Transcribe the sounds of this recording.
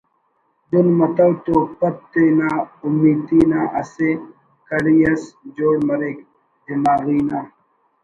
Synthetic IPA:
d̪ʊnmɐt̪ɐwt̪opɐt̪̚t̪enaːʊmːiːt̪iːnaːʔɐse | kɐɽijɐsd͡ʒoːɽmɐɾek | bɪmaːɣiːnaː

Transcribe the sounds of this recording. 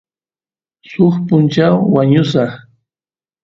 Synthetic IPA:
sʊχpʊnt͡ʃawwaɲʊsɑχ

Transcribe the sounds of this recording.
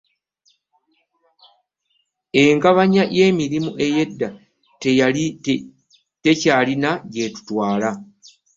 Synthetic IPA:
e̞ŋkaβaɲaje̞ːmiɾimuʔe̞je̞dːa | tejali | te̞caːlinaɟe̞tu̥twaːla

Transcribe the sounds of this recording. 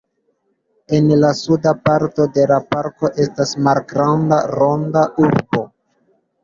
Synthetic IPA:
e̞nlasudapaɾto̞de̞lapaɾko̞ʔe̞stasmalɡɾandaɾo̞ndaʔuɾbo̞

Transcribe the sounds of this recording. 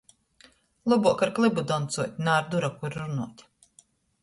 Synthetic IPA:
lˠɔbuɔkaɾklˠɨbud̪ɔnt̪suɔt̪ʲnaːɾd̪uɾakuɾɾunuɔt̪ʲ

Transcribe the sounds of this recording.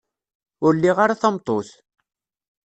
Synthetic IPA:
ʊɾlːiʁaɾaθɑmt̪ˤoθ

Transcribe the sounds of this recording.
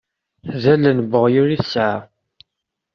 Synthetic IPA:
ðælənbəʁjʊɾiθsʕa

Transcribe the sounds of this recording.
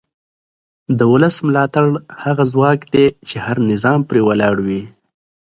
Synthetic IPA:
d̪əwʊləsmlɑt̪aɽhaɣazwɑkd̪et͡ʃehaɾnɪzɑmpɾewalɑɽwi

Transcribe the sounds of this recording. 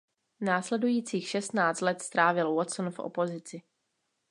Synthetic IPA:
naːslɛdujiːt͡siːxʃɛst̪naːt͡st̪lɛt̪st̪ɾaːvɪlwɔt̪sonfʔo̰po̞zɪt͡sɪ

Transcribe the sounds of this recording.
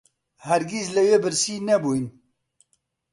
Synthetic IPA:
hæɾɡislɨweːbɨɾsiːnɛbuːjn

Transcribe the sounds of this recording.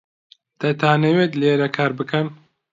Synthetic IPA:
t̪ɐt̪ʰaːneweːt̪leːɾɐkʰaːɾbɨkʰɐn

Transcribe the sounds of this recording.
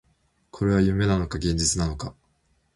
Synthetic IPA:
kʰo̞ɾe̞β̞ajɯ̟me̞nano̞kaɡẽ̞ɲ̟d͡ʑit͡sɨnano̞ka

